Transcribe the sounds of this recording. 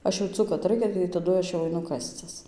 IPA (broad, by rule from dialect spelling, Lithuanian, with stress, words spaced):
ˈɐʃ jɛʊˈt͡sʊ kɐt ˈrɐɪkʲɛ tɐɪ tɐˈdʊ ˈɐʃ jɛʊ ɐɪˈnʊ ˈkɑːsʲt͡sʲɪs